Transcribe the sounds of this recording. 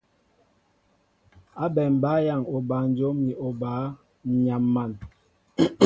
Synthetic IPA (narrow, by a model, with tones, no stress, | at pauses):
a˦bɛ˨m˨ba˨˦ja˦˨ŋo˨ba˨n̩˦d͡ʒo˦mni˨o˨baː˨˦˨ | ɲa˨mːa˦˨n